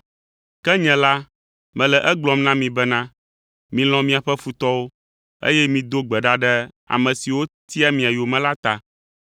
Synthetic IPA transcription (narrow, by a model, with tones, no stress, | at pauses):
kɛ˦ɲɛ̃˨la˦ | mɛ̃˨lɛ˨ʔɛ˦ɡ͡blɔ̃˨mnã˦mĩ˨bɛ˦nã˦ | mĩ˨l̃ɔ̃˨mĩ˨a˨ɸɛ˦fu˨t̪ɔ˦wo˦ | ḛ˦jɛ˦mĩ˨d̪o˦ɡ͡bɛ˨ɖa˦ɖɛ˦ | a̰˨mɛ̃˨si˨wo˦t̪i˦a˦mĩ˨a˨jo˨mɛ̃˦la˦t̪a˨